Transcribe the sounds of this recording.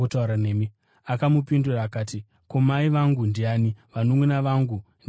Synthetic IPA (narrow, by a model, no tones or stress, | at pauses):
utauɾaneːmi | akamupinduraːkaːti | komaiʋaŋɡundiaːniʋanomwenaʋaŋɡu | n